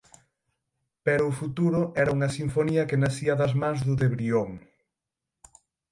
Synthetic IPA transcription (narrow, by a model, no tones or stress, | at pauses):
pɛɾʊːfut̪uɾʊʔɛɾɐuŋɐsiɱfoniɐkenasiɐðɐzmãŋzðʊðeβɾioŋ